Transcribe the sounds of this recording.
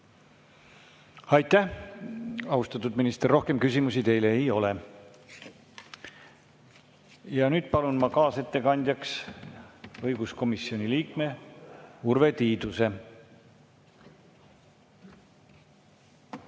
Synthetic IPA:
ɑjt̪ˑːæh | ɑust̪ɑt̪ːˑud̪minist̪erːo̞hke̞mkysʲimusit̪e̞jleːejo̞le̞ | jɑnyːd̪̥pɑlunmɑkɑːse̞t̪ːe̞kɑnʲd̪̥ʲjɑks | ɤjɡ̥usko̞misːio̞nʲiliːkme̞ | urve̞t̪iːd̪use̞

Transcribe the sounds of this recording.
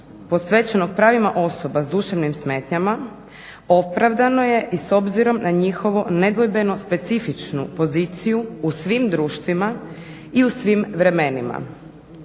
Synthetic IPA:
po̞sʋe̞t͡ɕenoɡ̚pɾaːʋimaʔo̞so̞bazd̪uʃaʋnimsme̞ːt̪ɲama | o̞pɾaʋd̪ano̞je̞ʔiso̞bziɾo̞mnaɲixo̞ʋone̞d̪ʋo̞jbe̞no̞spe̞t̪sifit͡ʃnṵpo̞ziːt̪sijuusʋimd̪ɾuːʃt̪ʋima | iusʋimʋɾe̞me̞nima̰

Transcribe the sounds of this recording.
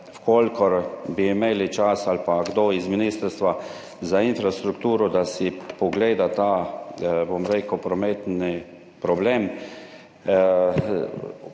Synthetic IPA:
fkolkɔɾbiːmeːlit͡ʃasalpaɡd̪oizminiːst̪əɾst̪ʋa | zainfɾast̪ɾukt̪uːɾɔd̪asipɔɡleːd̪at̪aː | bomɾeːkəpɾɔmeːt̪ni | pɾɔbleːm

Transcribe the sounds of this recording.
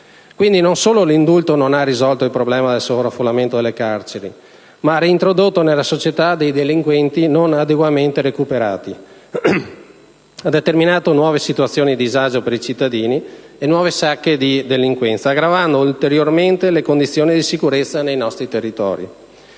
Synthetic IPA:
kwind̪inonsoːlolind̪ult̪ononarːizɔlt̪oilpɾoblɛːmad̪elsovɾafːolːament̪od̪elekart͡ʃeɾi | maariːnt̪ɾod̪ot̪ːonelːasot͡ʃet̪ad̪ejd̪eliŋkwɛnt̪inonad̪eɡwament̪eɾekupeɾa̰ːt̪i | ad̪et̪erminaːt̪onwɔːvesit̪uat̪sːjoːnid̪izad͡ʒopeɾit͡ʃit̪ːad̪iːnienwɔːvesakːed̪id̪eliŋkwɛnt̪saːɡɾavand̪oult̪eɾjorment̪elekond̪it̪sːjoːnid̪isikuɾet̪sːanejnɔst̪ɾit̪erːit̪ɔ̰ːɾḭ

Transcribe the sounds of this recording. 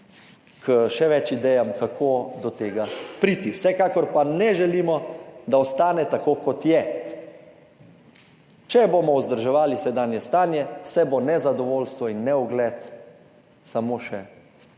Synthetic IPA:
kʰəʃɛʋɛt͡ʃid̪ɛjamkakʰod̪ɔt̪eːɡapɾiːt̪iwsɛkaːkɔɾpanɛʒɛliːmɔd̪aɔst̪aːnɛt̪akoːkɔt̪jɛ | t͡ʃɛboːmɔuzd̪əɾʒɛʋaːlisɛd̪aːnjɛst̪aːnjɛsɛbonɛzad̪ɔʋoːlst̪ʋɔinːɛuɡlɛt̪ | samoʃɛ

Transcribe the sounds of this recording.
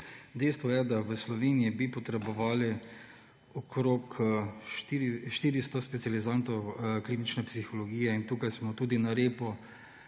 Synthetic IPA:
d̪ɛjst̪ʋɔjɛd̪aʋəslɔʋeːnijibipɔt̪ɾɛbɔʋaːli | ɔkɾoːk̪ | ʃt̪iːɾist̪ɔspɛt̪sijalizant̪ɔwkliːnit͡ʃnɛpsixɔlɔɡiːjɛint̪uːkajsmɔt̪uːd̪inaɾeːpɔ

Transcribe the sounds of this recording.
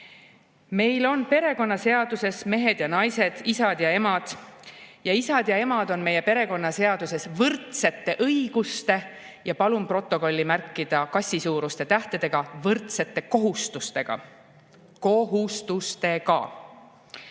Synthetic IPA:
me̞jlo̞npe̞ɾe̞ko̞nːɑse̞ɑd̪̥use̞sme̞ɦe̞d̪̥jɑnɑjse̞d̪̥isɑd̪̥jɑe̞mɑd̪̥ | jɑisɑd̪̥jɑe̞mɑd̪̥o̞nme̞je̞pe̞ɾe̞ko̞nːɑse̞ɑd̪̥use̞svɤrt̪se̞t̪ːe̞ʔɤjɡ̥ust̪e̞ | jɑpɑlumpro̞t̪ːˑo̞ko̞lʲːimærkːˑid̪̥ɑkɑsʲːisuːɾust̪e̞t̪æht̪ed̪̥eɡ̥ɑvɤrt̪se̞t̪ːe̞ko̞ɦust̪ust̪e̞ɡ̥ɑ̰ | ko̞ɦust̪ust̪e̞kɑ̰

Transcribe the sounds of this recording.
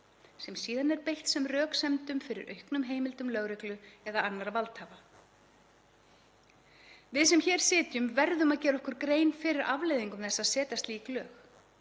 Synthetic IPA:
sɛmsiːðanɛɾpejht̪sɛmrœːksɛmt̪ʏmfɪɾɪ̰ɾʔœ̰ɥhknʏmɦeːjmɪlt̪ʏmlœɣɾɪklʏɛðaanːaɾavalt̪haːva | vɪðsɛmçɛːɾ̥sɪːt̪jʏmvɛɾðʏmaðcɛːɾɔhkʏɾkɾeːjnfɪɾɪɾʔavlejðiŋkʏmθɛsːaðsɛːt̪ast̪liːklœːx

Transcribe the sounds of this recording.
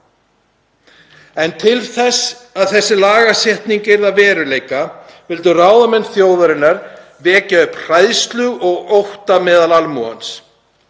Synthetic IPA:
ɛnt̪ʰɪlθɛsaðθɛsːɪlaːɣasjɛht̪niŋcɪɾðavɛːɾʏleːjkavɪlt̪ʏraːwðamɛnːθjoːwðaɾɪnːaɾ | vɛːcaʏpr̥ajðst̪lʏɣʔɔɣowht̪amɛːðalalmuːa̰ns

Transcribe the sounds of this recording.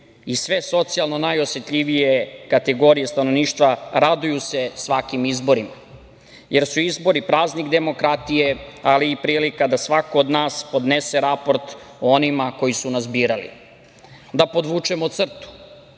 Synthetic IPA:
isʋe̞so̞t̪sijalˠno̞najosje̞t̪ʎʲiʋije̞kat̪eɡo̞ɾije̞st̪ano̞ʋniːʃt̪ʋaɾad̪ujuse̞sʋakimizbo̞ɾima | je̞ɾsuizbo̞ɾipɾaːznikd̪e̞mo̞kɾat̪ijealiːpɾiːlikad̪asʋako̞ːd̪naːspo̞d̪nese̞ɾapo̞ɾt̪ | oonimako̞jisunaszbiːɾalḭ | d̪apo̞d̪ʋuːt͡ʃemot̪sr̩t̪u̥

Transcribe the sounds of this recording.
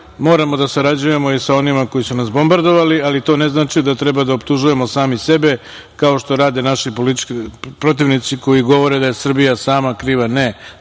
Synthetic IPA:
mo̞ːɾamo̞d̪asaɾad͡ʑuje̞mo̞isao̞nimako̞jisunasbo̞mbaɾd̪o̞ʋalialit̪o̞ːne̞znaːt͡ʃid̪at̪ɾe̞bad̪aop̚t̪uʒuje̞mo̞saːmise̞be̞ | kao̞ʃt̪o̞ɾaːd̪e̞naʃipolipɾo̞t̪̬iʋnit̪siko̞jiɡo̞ʋo̞ɾe̞d̪ajesr̩bijasaːmakɾiːʋane

